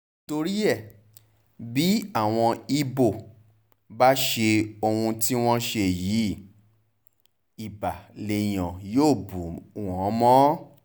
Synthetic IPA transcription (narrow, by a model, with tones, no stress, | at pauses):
to˧ɾi˦ɛ˦˨ | bi˨˦a˦˨w̃ɔ̃˧i˦bo˦˨ | ba˦ʃe˧o˧hũ˧ti˦w̃ɔ̃˦ʃe˧ji˨˦ | i˨ba˨le˨j̃ɔ̃˨joː˦˨bu˨˦˨ɔ̃˨˦mɔ̃˦